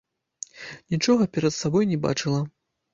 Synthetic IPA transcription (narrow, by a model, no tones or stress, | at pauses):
nʲit͡ʂɔɣɐpʲɛɾɐt̪sabɔjnʲɛba̰t͡ʂɨlˠɐ